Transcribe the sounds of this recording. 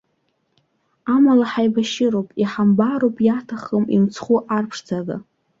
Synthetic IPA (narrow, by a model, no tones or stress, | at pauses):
amalaħajbaʃɪɾowpʼiħambaɾowpʼjatʰaχəmḭnt͡sʰχuʔarpʰʂd͡zʰaɡɨ̰